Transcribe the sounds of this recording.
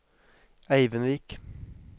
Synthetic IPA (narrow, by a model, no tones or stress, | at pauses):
æɪʋənʋiːk